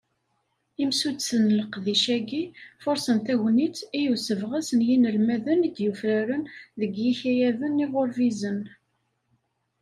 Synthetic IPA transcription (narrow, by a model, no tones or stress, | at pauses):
imsud̪sənləqðiʃæɡifʊɾsənt̪æʝnit͡sijusəvʁasənjinəlmæðənid̪jufɾæɾənðəɡjiçijæðənːɪʁoɾvizən